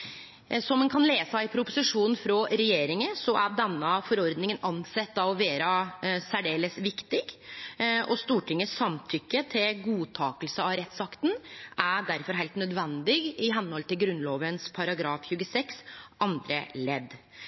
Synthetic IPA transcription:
sɔmːɛnkʰɑnleːsɑɪpʰɾʊpʊsɪʂuːnn̩fɾɔɾɛjeːɾɪŋəsɔʔæɖɛnːəfɔɾɔɾd̪nɪŋənɑnsɛt̪ːɑʋɔʋeːɾəsæɖeːləsʋɪkt̪ɪɡ | ɔst̪uːʈɪŋːəsːɑmt̪ʰʏkːət̪ʰɪlɡuːt̪ʰɑːkəlsəɑʋɾɛt̪ːsɑkt̪n̩ʔæɖæɾfɔɾɦæɪlt̪nœd̪ʋɛnd̪ɪɡɪɦɛnhɔlt̪ɪlɡɾʉnːloːʋənspʰɑɾɑɡɾɑːfçʉːɡəsɛksʔɑnd̪ɾə̰lɛd̪

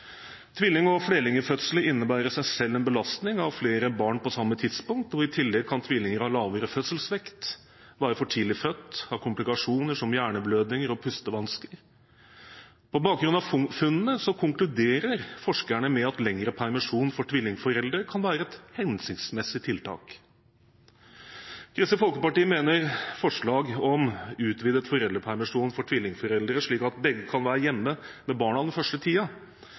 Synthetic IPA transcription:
t̪ʰʋɪlːɪŋɔfɽeːlɪŋəfœt̪sələɪnːəbæːɾəʂæɪsɛlːɛnbəlɑst̪nɪŋɑʋfleːɾəbɑːɳpɔsɑmːət̪ʰɪd̪spʊŋk̚t̪ɔɪt̪ʰɪlːɛɡ̚kʰɑnt̪ʰʋɪlːɪŋəɾhɑːlɑːʋəɾəfœt̪səlsʋɛkt̪ | bɑːɾəfɔʈʰiːlɪfœt̪ːhɑɾkʰʊmplɪkɑʂuːnəʂɔmjæːɳəbløːd̪nɪŋəɾɔpʰʉst̪əʋɑnskəɾ | pʰɔbɑːk̚ɡɾʉnd̪ɑffʉnːnəsɔkʰʊŋklʉd̪eːɾəɾfɔʂkæɳəmɛɑt̪lɛŋɾəpʰæɾmɑʂuːnnfɔʈʰʋɪlːɪŋfɔɾɛld̪ɾəkʰɑnʋæːɾəɛt̪hɛnsʏkt̪smɛsɪt̪ʰɪlt̪ʰɑ̰ːk | kʰɾɪsəfɔlkəpɑʈiːəmeːnəɾfɔʂɭɑːɡɔmʉːt̪ʋɪd̪ət̪fɔɾɛlɾəpʰæɾmɪʂuːnfɔʈʰʋɪlːɪŋfɔɾɛld̪ɾəʂɭiːkɑt̪̚bɛɡːəkʰɑnʋæːɾəjɛmːəmɛbɑːɳɑʋd̪ɛnfœʂʈət̪ʰiːɑ

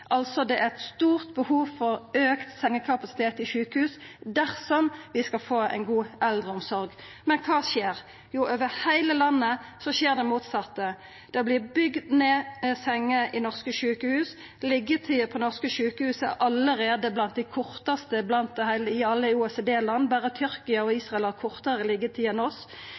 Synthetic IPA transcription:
ʔɑlt̪sɔd̪ɛʔæʁɛt̪st̪uːʁt̪̚bəhuːʋfɔʁøːkt̪sɛŋːəkʰɑpɑsɪ̥t̪ʰeːt̪ɪʃʉːkəhʉːsd̪æʁsɔmʋɪskɑlfoːæ̰ɪnɡuːʔɛld̪ʁəɔmsɔʁɡ | mɛnkʰɑːʃeːʁ | juʔøːʋəʁhæɪləlɑnːəsɔʃeːʁd̪ɛmuːt̪sɑt̪ːə | d̪̥ɛblɪʁbʏɡd̪neːsɛŋːəʔɪnɔʁskəʃʉːkəhʉːs | lɪɡːət̪ʰiːpʰɔnɔʁskəʃʉːkəhʉːsə̰ʔɑləɾeːd̪əblɑnt̪̚d̪æɪkʰʊʁt̪ɑst̪əblɑnt̪̚d̪ɛhæɪləɪɑlːəuːɛsed̪eːlɑnːbæːʁət̪ʰʏɾkɪɑɔiːsʁɑɛlɑʁkʰʊʁt̪ɑʁəlɪɡət̪ʰiːɛnɔs

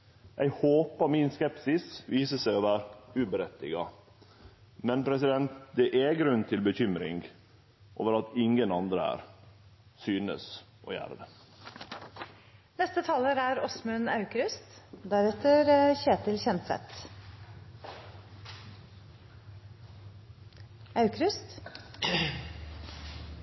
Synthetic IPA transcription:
ʔæɪhoːpɑmɪnskɛpsɪsʋiːsəsæɪoːʋæːɾʉːbəɾɛt̪ɪɡɑ | mɛnpʰɾɛs̬ɪd̪ɛnt̪d̪ɛʔɛɡɾʉnt̪ʰɪlbəçʏmɾɪ̰ŋɡ | ʔo̰ːʋəɾɑt̪ɪŋənɑnd̪ɾəæ̰ːɾ | syːnə̰s | ʔo̰ːjæ̰ːɾəd̪ɛ | nɛst̪ət̪ʰɑːləɾæɾɔsmʉnɑʉkɾʏst̪d̪æɾɛt̪əɾçeːt̪ɪlçɛnt̪sɛ̰t̪ | ɑʉkɾʉst̪

